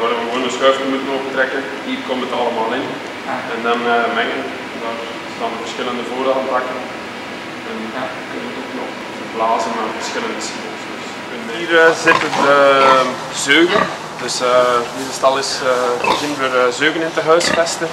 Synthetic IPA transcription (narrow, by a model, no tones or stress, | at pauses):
ʋaːɾʋəwoːndəsxœːftərmutənobətrɛkə | ɦiːrkɔmtətɑlˠəmaːlˠɪn | ɛndɑnəmɛŋə | daːr | stɑːnvərsxɪləndəvoːɾantɑkən | ɛn | kɵnəʋətoknɔx | ərblaːzənmavərsxɪləndəsiəlsdəs | iːrəzɪtəə | zøːɣən | dɵsənidəstɑlˠɪsəɣɪnvərzøːɣənɪntəɦœːsfɛstə